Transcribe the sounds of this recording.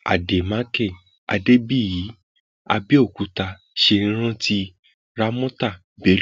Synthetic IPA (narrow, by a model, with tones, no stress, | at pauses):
a̰˨de˨mã˨˦kɛ˦˨ | a̰˧de˦bi˦˨ji˨˦ | a̰˧bi˦o˦˨ku˨˧˦ta˧ | ʃe˧ĩ˧˦ɾ̃ã˦ti˧˦ | ɾa˦mɔ̃˦ta˦˨ | be˨˦l